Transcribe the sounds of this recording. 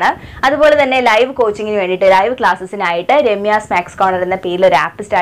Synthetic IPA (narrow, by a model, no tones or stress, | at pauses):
ɳɨɐðubo̞ːle̞t̪ɐnːe̞lɐjʋɨko̞ːt͡ɕːiŋɡinɨʋe̞ːɳɖiʈːɨlɐjʋkɭaːsɐsinaːjiʈːɨɾe̞mːijaːsmeːkskoːɳɐɾenːɐpeːɾilo̞ɾaːpːɨstaː